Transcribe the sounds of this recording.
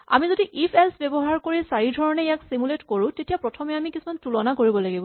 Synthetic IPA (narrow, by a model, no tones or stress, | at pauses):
a̰mizodiʔipʰelsbɛbɔɦaɹkoɹisaɹidʱɔɹɔnɛjaksimuletkoɹũtetijapɹɔtʰɔmɛamikisumantulɔnakoɹibɔlaɡibɔ